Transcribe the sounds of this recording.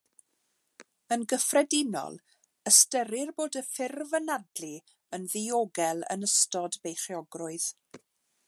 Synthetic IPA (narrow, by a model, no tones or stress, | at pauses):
ənɡəfrɛdɪnɔ̰lˠ | əstəɾɪrboːdəfɪrvənadli | ənðɪoːɡɛlˠə̰nəstɔdbejχjɔɡrʊɨð̥